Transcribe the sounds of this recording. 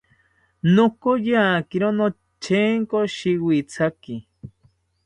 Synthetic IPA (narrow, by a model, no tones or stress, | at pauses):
nokojaːkiɾono | t͡ʃʰeŋkoʃiwit͡sʰaki